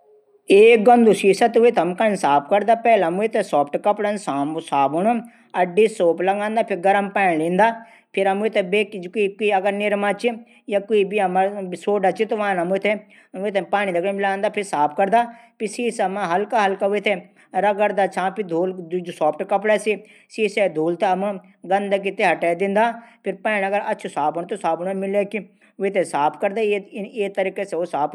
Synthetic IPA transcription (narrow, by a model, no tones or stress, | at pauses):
eːk̚ɡənd̪usiːsat̪uet̪ʰɐmkansaːpʰkɐɾd̪aːpɛːlɐmuet̪esɔːpʰʈkɐpɽənsaːmsaːbʊno | ɐɖːiːsoːplɐɡãːnd̪aːpʰɪɾɡɐɾəmpɛ̃ːɳlĩːnd̪aː | pʰɪɾɐmuet̪ebeːkkikiɐɡəɾnɪɾmãːt͡ʃi | jaːkoibiɐmasoːɖat͡ʃit̪ʋaːnɐmut̪ʰe | ʋet̪ʰepaːñid̪ɐkʰːmɪlaːnd̪aːpʰɪɾsaːp̚ʰkɐɾd̪aːpɪsiːsɐmãɦɐlkaːɦɐlkaːʋet̪ʰe | ɾɐɡəɾd̪at͡ʃʰãːpid̪ʱuːld͡ʒsɔːpʰʈkɐp̬ɽɛsi | siːsɛd̪ʱuːlt̪eɐmã | ɡɐnd̪ak̬ɪt̪eɦɐʈɛːd̪ɪ̃nd̪aːpʰɪɾpɛːnɐɡəɾɐtːt͡ʃʰusaːpʊnt̪osaːpʰnmɪleːki | ʋet̪ʰesaːpʰkəɾd̪aːeːt̪əɾiːkeseosaːpʰ